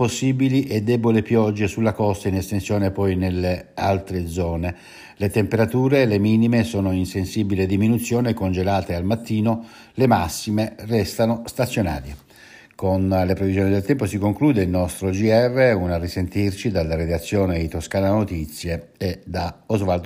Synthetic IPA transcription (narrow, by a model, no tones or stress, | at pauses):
posːiːbiliʔed̪ːɛːbolipjɔd͡ʒːesulːakɔst̪ainest̪ensjɔːnepɔjnelːea̰lt̪ɾed̪zɔːne | let̪empeɾat̪uːɾelemiːnimesɔːnoinsensiːbiled̪iminut̪sːjɔːnekond͡ʒelaːt̪ealmat̪ːiːno | lemasːimerɛst̪anost̪at̪sːjona̰ːɾje | konlepɾevizjɔːnid̪elt̪ɛmposikoŋkluːd̪eilnɔst̪ɾod͡ʒiɛrːeunarisent̪irt͡ʃid̪alːaɾed̪at̪sːjɔːned̪it̪oskaːnanot̪it̪sːjeːd̪aozvald̪